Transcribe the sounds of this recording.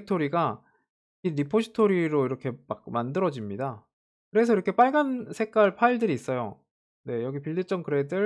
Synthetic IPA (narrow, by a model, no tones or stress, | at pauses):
tʰoɾiɡa | iɾipʰoɕʰi̥tʰoɾiɾoiɾʌkʰe̞mak̚mandɯɾʌd͡ʑimɲida | kɯɾe̞sʰʌiɾʌkʰe̞p͈aɭɡansʰe̞k͈aɭpʰaiɭdɯɾiːs͈ʌjo̰ | ne̞jʌɡipiɭdɯt͡ɕ͈ʌŋkɯɾe̞dɯɾ